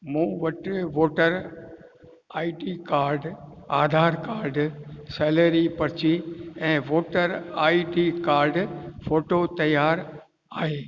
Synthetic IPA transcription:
mũːʋɐʈʋoːʈəɾ | aːiʈikaːɾɖ | aːd̪ʱaːɾkaːɾɖsɛːləɾipɐɾt͡ɕiɛ̃ːʋoːʈəɾaːiʈikaːɾɖfoːʈot̪ɐjaːɾ | aːɦeː

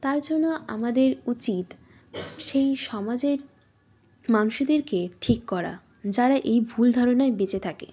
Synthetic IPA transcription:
t̪aɾd͡ʑonːoʔa̰mad̪eɾut͡ɕit̪ | ʃejʃɔmad͡ʑeɾ | manuʃod̪eɾkeʈʰikːɔɾa̰ | d͡ʑaɾaʔejbʱuld̪ʱaɾonaebet͡ɕet̪ʰakḛ

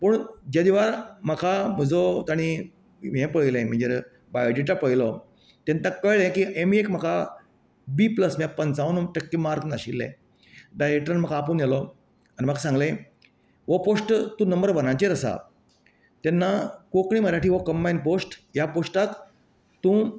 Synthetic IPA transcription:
pəɳd͡ʑed̪iʋaɾməkʰam̤əd͡zɔt̪aɽ̃i | mɛ̃pəɭilẽm̤ə̃ɳd͡ʑeɾ | bajoɖiʈapəɭilɔ | t̪ɛnt̪akəjlẽkiʔemekm̤əkʰa | biːpləsmapənt͡saunʈəkːimaɾknaɕilːɛ̰̃ | ɖajɾek̚ʈɾanməkʰaːpuːnjalɔ | anim̤əkʰasãŋɡlẽ | ʋɔposʈt̪ũnəmbəɾʋənãt͡ɕeɾəsa̰ | t̪ɛnːakokɳ̃iməɾaʈiːʋɔkəmbajnposʈjaposʈat̪ | t̪ːũ

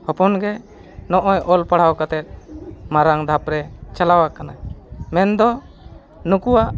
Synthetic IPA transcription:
hɔpɔnɡɛ | nɔʔɔjʔɔlpaɽ̤awkat̪ɛt̪̚maɾaŋd̪ʱapɾɛt͡ʃalawakanamɛnd̪ɔ | nukuwaʔ

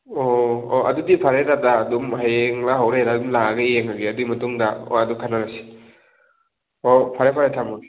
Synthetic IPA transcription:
ooʔɐ̰dudipʰaɾedadaːdumhajeŋlaɦawɾeɾadumlaaɡɐijeŋaɡiɐduimɐtuŋdao̰ɐdukʰananasi̥ | opʰaɾepʰaɾetʰamɔɡi

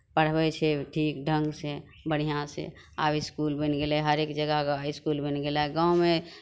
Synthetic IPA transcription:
pəɽ̤bɛt͡ʃʰeʈʰiːkɖʱə̃ŋɡse | bəɽ̤ijãsḛ | a̰bɪskulbenɡelaɦəɾeːkd͡ʒəɡəkɪskulbenɡelaɡãwmẽ

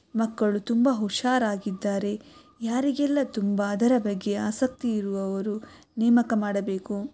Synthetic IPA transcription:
mɐkːɐɭut̪umbɐɦuʃaːɾaːɡid̪ːaːɾe̞ | jaːɾiɡɛlːɐt̪umbɐːd̪ɐɾɐbɐɡːe̞aːsɐk̚t̪iːɾuʋɐʋɐɾu | nɛːmɐkɐmaːɽɐbeːku

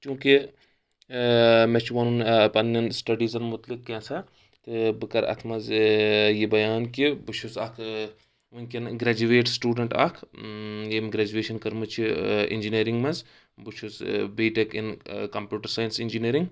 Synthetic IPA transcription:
t͡ʃũːki | met͡ʃʰiʋɐnunpɐnːɐnsʈɐɖiːzɐnmʊt̪likːẽːsɐ | t̪ɨbɨkɐɾɐ̰t̪ʰmɐzjibɐjaːnkibut͡ʃʰusɐkʰ | unʲkenɡɾaːd͡ʒuʋeːʈsʈuːɖɐɳʈɐ̰kʰ | emɡɾad͡ʒueːʃɐnkɐɾmɐt͡ʃʰiḭnd͡ʒiniːɾiŋɡmɐz | but͡ʃʰusbiːʈekinkɐmpʲjuːʈɐɾsaːjinsind͡ʒiniːɾiŋɡ

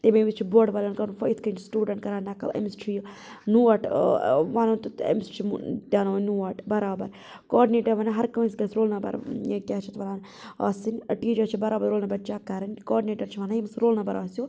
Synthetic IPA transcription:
t̪emẽʋit͡ʃʰiboːɖʋaːlʲɐːnkɐnfɐjit̪ʰkɐnt͡ʃʰisʈuːɖɐɳʈkɐɾaːnakɐ̰lɐ̰mst͡ʃʰij | nuːɐʈʋaːnɐnt̪ut̪ɐ̰mist͡ʃʰimdʲaːnoɐnuːaʈbɐɾaːbɐ̰ɾ | kɔːɾɖineːʈɐɾʋɐːnaɦɐɾkɐʋɐ̃nskɐsɾoːlnabɐ̰ɾekʲaːt͡ʃʰit̪ʋɐnaːn | ɐ̰ːsɨnʲɐʈiːd͡ʒɐɾt͡ʃʰibɐɾaːbɐɾoːlnɐbɐt͡ʃakɐɾɐnʲkɔːɖineːʈɐɾt͡ʃʰiʋaːnajimsɾoːlnɐbɐɾaːsjo

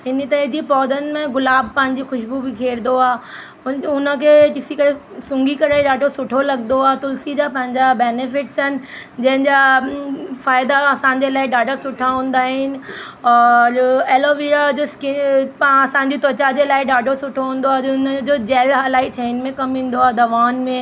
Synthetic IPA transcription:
ɦɪnit̪ɐɦid͡ʑipɔːd̪ənɪ̆mẽɣʊlaːb̚ʱpɐ̃ɦɪ̃ɲ̆d͡ʑixʊʃbubʱɪkʰeːɾnd̪oaː | ʊnə̆kʰeːkɪsikɐɾesʊ̃ŋɡikɐɾeɖaːɖʱosʊʈʰolɐɡnd̪oaːet̪ʊlsid͡ʑapɐ̃ɦɪ̃ɲd͡ʑabeːnefɪʈsɦənɪ̆d͡ʑɐ̃ɦɪ̃nd͡ʑa | faːɪd̪aɐsãːɲ̆d͡ʑelaːɪɖaːɖʱəsʊʈʰaɦũːn̆d̪aːɦɪnɪ̆ɔːɾeloʋiːɾad͡ʑoskɪpɐsãːɲ̆d͡ʑit̪oːt͡ɕad͡ʑeːlaːɪɖaːɖʱosʊʈʰoɦũːn̆d̪oaːʊnəd͡ʑoːd͡ʑɛːlɦalaːit͡ɕʰeɪnmẽkɐmɦĩːn̆d̪oaːd̪ɐʋaːnmẽ

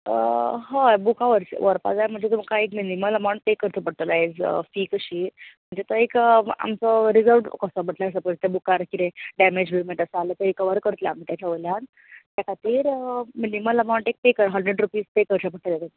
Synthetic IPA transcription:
ə̰ɦə̃bukaʋəɾɕʋəɾpa̰d͡zajm̤əɳd͡zet̪umkaekminimələmawɳʈ̚pekəɾt̪ʰəpəɽ̚t̪əled͡zfiːkəɕiːm̤əɳd͡zet̪əeka̰mt͡sɔɾid͡zəlʋʈkəsəb̤ʱəʈlaəs̬əpəɾt̪ebukaɾkiɾeɖæmed͡ʑbimeʈəsəalət̪əɾikəʋəɾkəɾt̪lja̰aːm̤iːt̪jat͡ɕʰaʋolan | t̪jakʰat̪iːɾminimələmawɳʈek̚pekəɾəɦəɳɖɾeɖɾupiːzpekəɾt͡ɕʰap̬əɽt̪əlet̪e

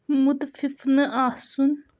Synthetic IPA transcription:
mut̪fifnɨʔasun

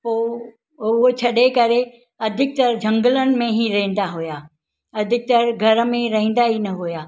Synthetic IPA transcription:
poː | ʊɦot͡ɕʰɐɗekɐɾe | ɐd̪ʱɪk̚t̪ɐɾd͡ʑʱɐ̃ŋɡələnɪ̆mẽɦiɾɐɦĩːn̆d̪aɦujaː | ɐd̪ʱɪk̚t̪ɐɾɡʱɐɾmẽɾɐɦĩːn̆d̪aɦinɐɦujaː

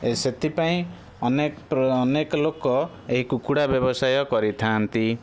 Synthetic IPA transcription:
eset̪ipaĩ | ɔnekpːnekɔlokːɔ | eɦikukuɽabjɔbɔsajɔkɔɾit̪ʰant̪i

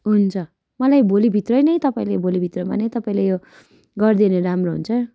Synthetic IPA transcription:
ɦunt͡sʰʌ | mʌlajbolibʱit̪rʌjnʌjt̪ʌpaĩlebolibʱit̪roma̰nʌjt̪ʌpaĩlejo | ɡʌrd̪ineɾamroɦṵnt͡sʰʌ

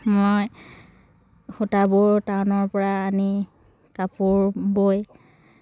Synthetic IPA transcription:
moj | xutabʊɹtawnɔɹpɔɹaːni | kapʊɹboj

